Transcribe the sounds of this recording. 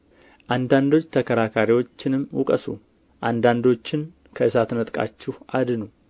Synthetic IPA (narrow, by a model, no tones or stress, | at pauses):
ʔand̪and̪o̞t͡ʃːt̪ʰəkʰəɾakʰaɾiwo̞t͡ʃːɪnɨmːwʊ̰kʼəsṵ | ʔand̪and̪o̞t͡ʃːɪn | kʰəʔɨsat̪nət̪ʼkʼa̰t͡ʃːɪhʔad̪ɨnu